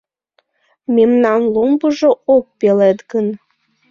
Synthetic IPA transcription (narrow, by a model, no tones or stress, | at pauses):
memnɑnlombuʒook̚pelet̪ɡən